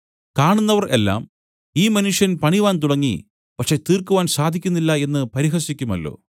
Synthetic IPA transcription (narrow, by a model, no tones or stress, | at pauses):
kaːɳunːɐʋɐrʔe̞̰lːa̰ːm | iːmɐnuʂjɐnpɐɳiʋaːnt̪uɽɐŋːḭ | pɐkʂe̞ːt̪iːrkuʋaːnsaːd̪ʱikʲːunːilːɐe̞nːɨpɐɾiɦɐɕikʲːumɐ̰lːo̞̰ː